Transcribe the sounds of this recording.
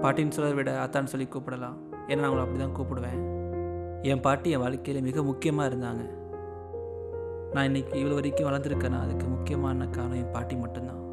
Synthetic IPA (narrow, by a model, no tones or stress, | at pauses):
paːɾʈːinɯsɔlːɐðɐʋɪɽɐɐt̪ːaːnɯsɔlːikːuːpːɪɽɐlãː | ɛnːnːaːʊŋɡɐɭɐpːɐɽɪt̪ãːkuːpɪɽɯʋẽː | ɛmpaːɾʈːiɛ̃ʋaːɭkːɐjɪlemɪɣɐmʊkːɪjɐmaːɪɾɯnd̪aːŋɡɐ | nãːɪnːɐkːɯɪʋɐɭɯʋɐɾɪkːʊ̃ʋɐlɐɾnd̪ɯɾɯkːɐːnã̰ːɐðɯkːɯmʊkːɪjɐmaːnːɐkːaːnɯ̃ɛnpaːɾʈːimɐʈːɯnd̪ãː